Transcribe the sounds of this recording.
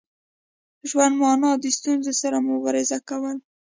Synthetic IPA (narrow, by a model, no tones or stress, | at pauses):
ʒwand̪mɑnɑd̪əst̪unzosaɾamʊbɑɾɪzakawəl